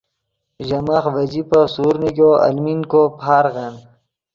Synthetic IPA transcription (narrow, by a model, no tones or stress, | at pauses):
ʑɐmaːxʋɐd͡ʑipɐsuːɾnikoɐ̰lminkopʰaːɾɣɐn